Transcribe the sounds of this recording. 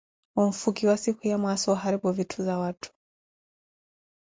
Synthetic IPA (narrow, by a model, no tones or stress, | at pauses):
wɔɱ̩fuɡiwasikujamwasɔwaɦaɾibuvitʰuzawatʰu̥